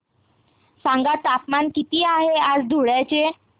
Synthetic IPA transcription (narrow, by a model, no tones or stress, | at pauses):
sãŋɡat͡sapmankit̪iːaɦead͡zd̪ʱuɽjajt͡ɕe